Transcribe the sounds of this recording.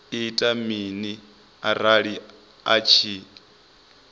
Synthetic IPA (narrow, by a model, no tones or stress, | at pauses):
itʼamini | aɾaɺi | at͡ʃʰi